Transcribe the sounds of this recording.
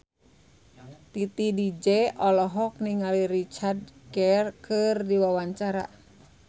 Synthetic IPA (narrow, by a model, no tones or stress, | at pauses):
t̪it̪idid͡ʒɛɔlɔɦɔk̚niŋaliɾit͡ʃardkɛrkʰɨrdiwawaɲt͡ʃaɾa̰